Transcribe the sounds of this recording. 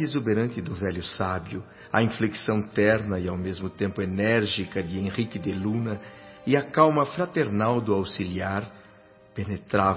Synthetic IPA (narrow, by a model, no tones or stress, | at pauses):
ezubeɾɐ̃nt̪ɪd̪ʊvɛljʊsabjʊ | ɐĩfleksɐ̃w̃t̪ɛɾnɐɪawmezmʊt̪ẽmpʊenɛɾʒikɐd͡ʒ̪ɪẽʁikɪd̪ɪlũnɐɪɐkawmɐfɾat̪eɾnawd̪ʊawsiliaɾ | penet̪ɾav